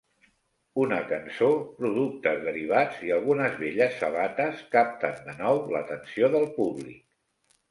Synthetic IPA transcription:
unəkənsopɾuðuk̚t̪əzðəɾiβ̞ad͡ziəlˠɣ̞unəzβeʎəsːəβ̞at̪əskap̚t̪ənd̪ənɔwlə̰t̪ənsioðəlˠpuβlḭk̚

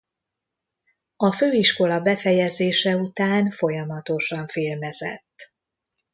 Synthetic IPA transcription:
ɒføːiʃko̞lɒbɛfɛjɛzeːʃɛut̪aːnfo̞jɒmɒt̪o̞ʃɒɱfeːlmɛzɛ̰t̪ː

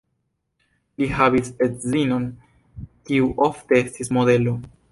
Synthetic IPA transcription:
lihavisetzino̞n | kiuʔofte̞estismo̞de̞lo̞

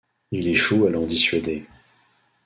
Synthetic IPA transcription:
ileʃualɔ̃d̪isɥad̪e

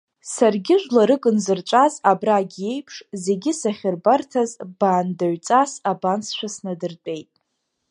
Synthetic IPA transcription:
sarɡʲɪʒʷlaɾɨkʼɨnzɨrt͡ʃʷʼazabraɡʲe̞jpʰʂze̞ɡʲɪsaχʲɪrbartʰazb̥aːndaɥt͡sʼasabansʃʷᶣasnadɨrt͡pʼe̞jtʼ

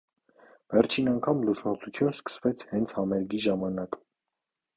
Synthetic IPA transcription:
vɛɾt͡ʃʰinɑŋkʰɑmlusmɑt͡sʰut͡sʰjunskə̥svɛt͡sʰhɛnt͡sʰhɑmɛɾɡiʒɑmɑnɑk

